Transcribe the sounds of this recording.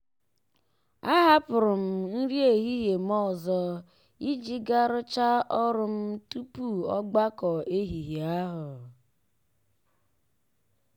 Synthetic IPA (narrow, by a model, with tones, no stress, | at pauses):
a˦ɦa˦pʊ˨ɾʊ˨m̩˨n̩˦ɾi˦e˨ɦi˦ɦe˨m̩˦ɔ˦˨zɔ˦ | i˦d͡ʒi˦ɡa˦ɾʊ˦t͡ʃa˦ɔ˦ɾʊ˦m̩˦tu˦pu˦˨ɔ˦ɡ͡ba˦kɔ˨e˦ɦi˨ɦi˨a˦ɦʊ˨